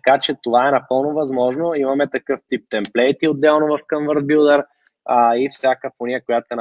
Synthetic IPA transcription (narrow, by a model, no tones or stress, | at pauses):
kat͡ʃɛt̪ovaɛnɐpɤlˠnovɐzmɔʒnoimɐmɛt̪ɐkɤft̪ip̚t̪ɛmplɛjt̪iod̪ːɛlˠnʊvɐfkənvəɾd̪̚bilˠd̪əɾ | əifsʲjakəfonijəkojat̪ʊɛn